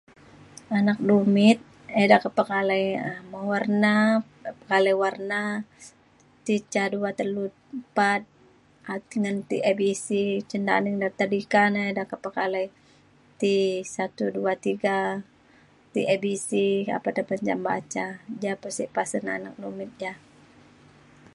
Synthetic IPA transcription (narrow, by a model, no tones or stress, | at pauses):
anak̚dumɪt̪̚ | edakəpəkalajəmawarna | pəkalajwarna | t̪it͡ʃaduat̪əlut̪̚pat̪̚ | at̪iŋənt̪ḭʔebisit͡ʃənda̰niŋdart̪ədikanaedakəpəkalaj | t̪isat̪uduat̪iɡa | t̪iʔebisia̰padəpəd͡ʒa̰mba̰t͡ʃad͡ʒapəsipasənanak̚lumɪt̪̚d͡ʒa